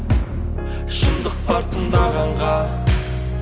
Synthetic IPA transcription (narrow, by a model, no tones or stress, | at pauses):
ʃənd̪əq̚pɑɾt̪ənd̪ɑʁɑɴʁɑ